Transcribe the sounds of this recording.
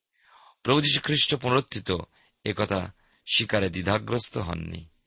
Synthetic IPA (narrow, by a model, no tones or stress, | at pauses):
pɾobud͡ʑiʃu̥kʰɾiʃʈopunɾot̪ʰːit̪o | ekɔt̪ʰa̰ | ʃikaɾed̪id̪ʱaɡɾost̪oɦɔ̰nːḭ